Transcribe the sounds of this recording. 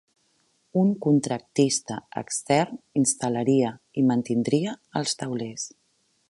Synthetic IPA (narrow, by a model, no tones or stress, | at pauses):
uŋkunt̪ɾək̚t̪ist̪əə̰kst̪ɛrninst̪ələɾiə | imənt̪ind̪ɾiəəlˠst̪əwles